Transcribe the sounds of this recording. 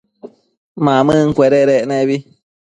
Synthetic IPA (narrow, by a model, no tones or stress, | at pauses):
mãmɨ̃ŋ̩kʷeɾeɾeʔnẽβi